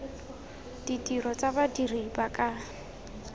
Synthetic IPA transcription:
d̥idirɔt͡sabadiribakʼa

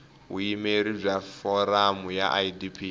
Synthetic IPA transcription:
ɦuimeɾib͡ʐafɔɾamuja̰ʔaidipʰi

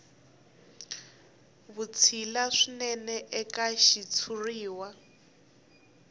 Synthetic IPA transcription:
βut͡sʰilaʂinɛnɛʔɛkaʃit͡sʰuriːwa

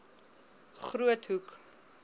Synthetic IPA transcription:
χruətɦuk

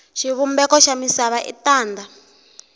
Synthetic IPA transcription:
ʃiβumbɛkɔʃamisaβaʔḭtaːnda

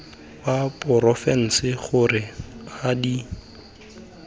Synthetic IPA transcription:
wapʊɾɔfɛn̩sɪχʊrɪadi

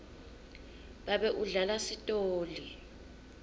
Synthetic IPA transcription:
ɓaɓɛʔuɮalasitʼoːli

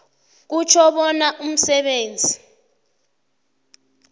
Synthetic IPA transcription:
k̬ut͡ʃʰɔɓɔnaʔum̩sɛɓeːnd͡zʱi

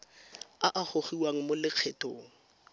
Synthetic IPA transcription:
aʔaχoχiwaŋ̩molɪq͡χʰɛtʼoːŋ̩

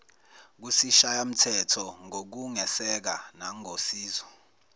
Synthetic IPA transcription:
k̬usiʃajam̩tʰɛtʰɔŋok̬uŋɛsɛk̬anaŋosiːzwɔ

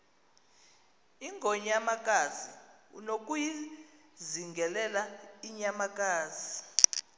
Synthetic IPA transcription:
iŋʱɔɲamak̬ʼaziṵnok̬ʼuji | ziŋɡʱɛlɛlaiɲamak̬ʼaːz̥i

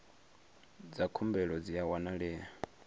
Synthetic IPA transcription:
d͡zakʰumbɛɺɔd͡ziawanaɺɛːa

